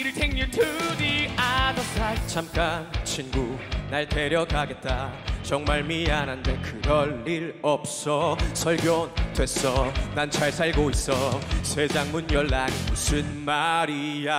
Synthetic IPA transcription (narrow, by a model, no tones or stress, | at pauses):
iɾitʰẽŋjutʰuðiadʌkʰɹat͡ɕʰamk͈ant͡ɕʰinɡunaɭte̞ɾjʌkaɡe̞t̚t͈at͡ɕʌŋmaɭmianɯnde̞kɯɾʌɭːiɾʌp̚s͈ʌsʰʌɭɡjondwe̞s͈ʌnant͡ɕʰaɭsʰaɭɡois͈ʌsʰed͡ʑaŋmunjʌɭːaɡimusʰɯnmaɾia